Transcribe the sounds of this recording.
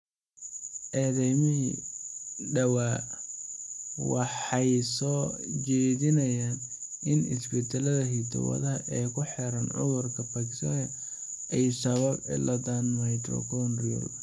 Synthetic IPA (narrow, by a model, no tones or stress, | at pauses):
ʔɛːðɛmɪɦi | ɖɐwaː | wɑ̰ħɑjsɔːt͡ʃɛːðɪnɐjaːn | ʔɪnɪ̰sbɛt̪ʰɛlɐðɐɦit̪ʰɔ̰wɐ̰ðɐɦɐʔɛːkʰʊħɛɾɐnʕʊ̰ðʊrkʰɐpakɪ̥st̪ɔ̰ːnɛ | ʔɛjsɐβɐbɛ̰lʔɐd̪anmɐjt̪ɾɔ̰kʰɔnriɔ̰l